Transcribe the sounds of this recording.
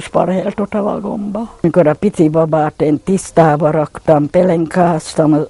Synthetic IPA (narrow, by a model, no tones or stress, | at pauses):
spɑ̰rheːlt̪ot̪ɑʋɑ̰ɡombɑːikoɾɑpit̪iʋɑbɑːt̪ent̪ist̪ɑːʋɑɾokt̪ɑmpeleŋkɑːst̪ɑm